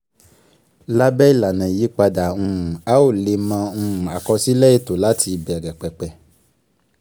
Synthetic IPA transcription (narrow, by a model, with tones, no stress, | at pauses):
la˦bɛ˦i˦˨la˨nã˨i˨˦k͡pa˧da˨ũ˧ũ˨a˦o˦˨le˧mã˧ũ˦˧ũ˨a˨kɔ˧si˦lɛ˦e˦˨to˨la˦tʰi˧˨bɛ˨ɾɛ˨k͡pɛ˨k͡pɛ˨˦